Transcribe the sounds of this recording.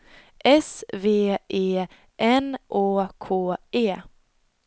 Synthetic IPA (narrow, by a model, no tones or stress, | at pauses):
ʔɛsʋeːʔeː | ʔɛnʔoːkʰoːeː